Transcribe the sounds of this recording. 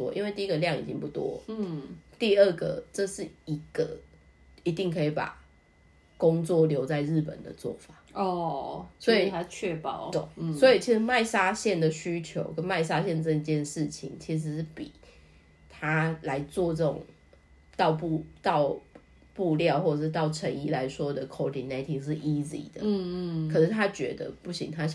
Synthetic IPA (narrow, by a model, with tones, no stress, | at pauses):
ɔ̰˦ḭ˦nwe˥˧ɪt̪i˥˧i˥ɡə˨ljɑ˥˨ŋḭ˨˩t͡ɕi˦ŋpu˥˩t̪wɔ̰˦ | t̪i˥˧ə˥˩ɡə̰˩ʈ͡ʂə˥˧ʂɻ̩˥˩i˧˥ɡ̥ə˩ | i˨˧t̪i˥˩ŋkʰɤ˧˥i˨˩pa̰˨˩ | ko˦ŋt͡swɔ˥˨ljo˧˥ʊt͡sa˥˧ɪɻɻ̩˥˩pə̰˨˩nd̪ə̰˨˩t͡swɔ̰˥˩fa˨˩ɔ˥˧˩swɔ˧˥i˨t̪ʰa˥t͡ɕʰɛ˥˩pɑ̰˨˩˦ʊt̪swɔ˧˦˥i˨˩t͡ɕʰi˧˥ʂɻ̩˧˦ma˥˩ɪsa˥ɕjɛ˥˨˩nd̪ə˨ɕy˥t͡ɕʰjo˧˥ʊkə˦˥nma˥˩ɪs̬a˦˥ɕjɛ˥˧nt͡sə˥˧i˧˩t͡ɕjɛ˥˨nʂɻ̩˥˩t͡ɕʰḭ˨˩ŋt͡ɕʰi˧˥ʂ̬ɻ̩˧˦˥pḭ˨˩ | t̪ʰa˥˦la˧˦ɪt͡swɔ˥˧ʈ͡ʂɤ˥˩ʈ͡ʂʊ̰˨˩ŋ | t̪ɑ˥˧ʊpu˥˧t̪ɑ˥˧ʊ | pu˥˧ljɑ˥˧ʊxwɔ˥˩ə˩ʂɻ̩˥˧t̪ɑ˥˩ʊʈ͡ʂʰə˧˥ŋi˥˩la˧˦ɪʂwɔ˥d̪ə˨kʰo˧˥ʊd̪i˨na˥ɪt̪ʰi˨˩ŋʂɻ̩˥˩ʔi˥zḭ˨˩d̪ə̰˦˥˧ə˨˩ʂ̩˥˩t̪ʰa˥t͡ɕɥɛ̰˧˥d̪ə̰˧pu˥˩ɕḭ˨ŋt̪ʰa˦